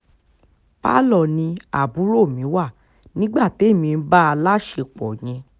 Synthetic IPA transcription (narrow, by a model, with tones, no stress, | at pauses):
pa̰˦lɔ˦˨nĩ˧a̰˨bu˨˦ɾo˦˨mĩ˨˦wa˦˨ | nĩ˦ɡ͡ba˦˨te˨˦˨mĩ˧n̩˦ba˦a˧la˦ʃe˧k͡pɔ˨j̃ɛ̃˧